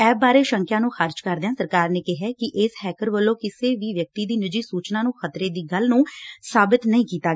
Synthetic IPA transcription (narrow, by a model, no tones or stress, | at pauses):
ɛːbaːɾeːʃə̃ŋkjãːnũːxəɾd͡ʒkəɾd̪eãːsəɾkaːɾneːkɪɦɛːkɪʔɪshɛːkəɾʋəlːõːkɪseːʋiːʋjək̚t̪iːd̪iːnɪd͡ʒiːsuːt͡ʃnãːnũːxət̪ɾeːd̪iːɡəlnũːsaːbɪt̪nəĩːkiːt̪aː